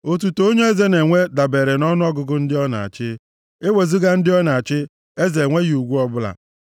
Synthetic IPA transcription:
o˨t̬u˨to˦ɲe˦e˦ze˦ne˨ŋʷe˦da˨be˨ɾe˨nɔ˦nʊ˦ɔ˦ɡʊ˨ɡʊ˦n̩˦dɪ˦ɔ˦na̰˨a̰˨t͡ʃɪ˦ | e˦we˨zi˦ɡa˦n̩˦dɪ˦ɔ˦na˨a˨t͡ʃɪ˦ | e˦ze˨ŋʷe˦ɣi˨˦u˨ɡʷu˦ɔ˦bʊ˦la̰˨

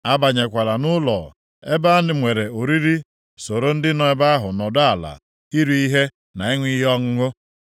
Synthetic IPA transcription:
a˦ba˨ɲe˨kʷa˨la˨nʊ˦lɔ̰˨ | e˦ba˦nɪ˨mʷe˨ɾe˨o˨ɾi˦ɾi˦ | so˨ɾo˦n̩˦dɪ˦nɔ˨˦e˦ba˦ɦʊ˨nɔ˨da˦a˨la̰˨ | i˦ɾu˨i˦ɦe˦ | na˨ɪ˦ŋʷi˦jɔ˦ŋ̩˦ŋʊ˦

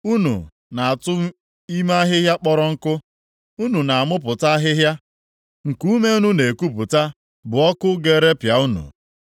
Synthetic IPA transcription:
u˦nṵ˨ | na˨a˨tʊ˦m˦ | i˦ma˦ɦɪ˦ɦja˦k͡pɔ˦ɾɔ˦ŋ̩˦kʊ˦ | u˦nu˨na˨a˨mʊ˦p̬ʊ˨ta˦ɦɪ˦ɦja˦ | ŋ̩˨ku˦me˦u˦nu˦ne˨ku˦pʊ˨ta˦ | bʊ˨ɔ˦kʊ˦ɡe˦˨ɾe˦pja˨u˦nṵ˨

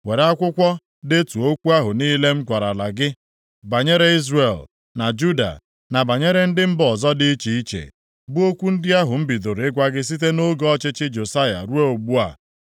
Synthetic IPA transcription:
we˨ɾa˦kʷʊ˦kʷɔ˦ | dɪ˦tu˨o˦kʷu˦a˦ɦʊ˨niː˦le˦m̩˦ɡʷa˨ɾa˨la˨ɡɪ˦ | ba˨ɲe˦ɾe˦i˦zre˨l | na˨d͡ʒu˦da̰˨ | na˨ba˨ɲe˦ɾe˦n̩˦dɪ˦m̩˦bɔ˨zɔ˦dɪ˦i˦t͡ʃi˨i˦t͡ʃḛ˨ | bu˦o˦kʷu˦n̩˦dɪ˦a˦ɦʊ˨m̩˦bi˨do˨ɾɪ˦ɡʷa˦ɡɪ˦s̬i˦t̬e˦no˦ɡɔ˦t͡ʃɪ˦t͡ʃɪ˦d͡ʒo˨sa˦ja̰˨ɾu˦e˦o˨ɡ͡bu˦a˨

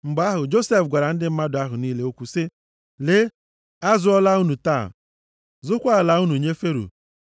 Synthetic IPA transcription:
ŋ͡m̩˨ɡ͡ba˦ɦʊ˨d͡ʒo˦se˦˨fɡʷa˨ɾa˨n̩˦dɪ˦m̩˦ma˦dʊ˨a˦ɦʊ˨niː˦le˨˦o˦kʷu˨sɪ˦ | le˦ | a˦zʊ˦ɔ˦la˦u˦nu˨ta̰˦˨ | zʊ˦kʷa˦˨la˨u˦nu˨ɲe˦fe˦ɾṵ˨

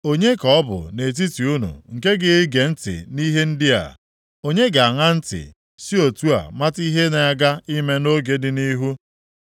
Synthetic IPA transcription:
o˦ɲe˦kɔ˨˦bʊ̰˨ne˨t̬i˦ti˨u˦nṵ˨ŋ̩˨ke˦ɡɪ˦ɪ˦ɡe˨n̩˦tɪ̰˨ni˦ɦe˦n̩˦dɪ˦a̰˨ | o˦ɲe˦ɡa˨a˨ŋa˦n̩˦tɪ̰˨ | si˦o˨tu˦a̰˨ma˦ti˦ɦe˦ne˨a˦ɡa˦i˦me˦no˦ɡe˨dɪ˨ni˦ɦu˦

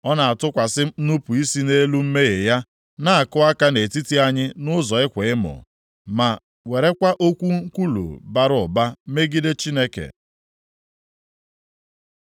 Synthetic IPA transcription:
ɔ˦na˨a˨tʊ˦kʷa˨sɪ˦nu˦pu˨i˦si˦ne˦lu˦m̩˦me˦ɣe˨ja˦ | na˦a˨kʊ˦a˦ka˦ne˨ti˦ti˦a˦ɲɪ˦nʊ˦zɔ˨ɪ˦kʷe˨ɪ˦mʊ̰˨ | ma˨ | we˨ɾe˦kʷa˦ʔo˦kʷu˦ŋ̩˦kʷu˦lṵ˨ba˦ɾʊ˦˨ba˦me˦ɡi˦de˦t͡ʃi˦ne˦kḛ˨

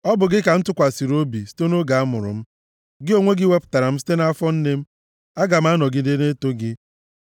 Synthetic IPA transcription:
ɔ˦bʊ˨ɡɪ˦ka˨n̩˦tʊ˦kʷa˨si˨ɾo˦bi˨si̥˦te˦no˦ɡa˨a˦mʊ˨ɾʊ̰˨m̩˦ | ɡɪ˦o˦˨ŋʷe˦ɡɪ˦we˦pʊ̥˨ta˨ɾa˨m̩˦si̥˦te˦na˦a˦fɔ˦n̩˦ne˦m̩˦ | a˦ɡa˨m̩˦a˦nɔ˨ɡɪ˦de˦ne˦to˦ɡɪ˦

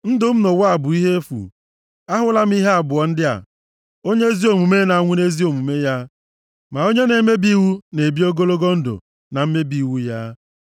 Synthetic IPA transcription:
n̩˦dʊ˨m̩˦no˨wa˦a˨bʊ˨i˦ɦe˦fṵ˨ | a˦ɦʊ˦la˦m̩˦i˦ɦe˦a˨bʊ˨ɔ˨n̩˦dɪ˦a̰˨ | o˦ɲe˦zi˦o˨mu˨me˦na˨a˦ŋʷʊ˦ne˦zi˦o˨mu˨me˦ja˦ | ma˨o˦ɲe˦ne˨˦me˦bi˦wu˦ne˨bi˦o˦ɡo˦lo˦ɡo˦n̩˦dʊ̰˨ | na˨m̩˦me˦bi˨wu˦ja˦

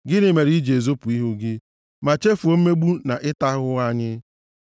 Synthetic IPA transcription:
ɡɪ˦nɪ˨me˨ɾi˦d͡ʒe˨zo˦pʊ˨i˦ɦu˦ɡɪ˦ | ma˨t͡ʃe˦fu˨o˦m̩˦me˦ɡ͡bu˦na˨ʔɪ˦ta˦ɦʊ˦a˦ɲɪ˦

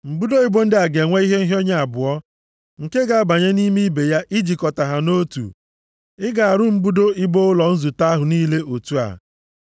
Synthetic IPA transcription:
m̩˨bu˦do˦i˦bo˦n̩˦dɪ˦a˨ɡe˨ŋʷe˦i˦ɦe˦n̩˦ɦo˦ɲa˨a˨bʊ˨ɔ˦ | ŋ̩˨ke˦ɡa˨a˦ba˨ɲe˦ni˦mi˦be˨ja˦ʔi˦d͡ʒi˨kɔ˨ta˨ɦa˨no˦tṵ˨ | ɪ˦ɡa˨a˨ɾʊ˦m̩˦bu˦do˦i˦bo˦ʊ˦lɔ˨n̩˦zu˨ta˦ɦʊ˨niː˦le˦ʔo˨tu˦a̰˨

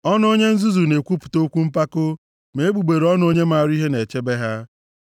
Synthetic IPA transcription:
ɔ˦n˦o˦ɲe˦n̩˦zu˦zu˨ne˨kʷu˦pu̥˨to˦kʷu˦m̩˦pa˦kʊ˦ | me˨e˦ɡ͡bu˨ɡ͡be˨ɾɔ˦n˦o˦ɲe˦ma˦˨ɾi˦ɦe˦ne˨t͡ʃe˦be˦ɦa˦

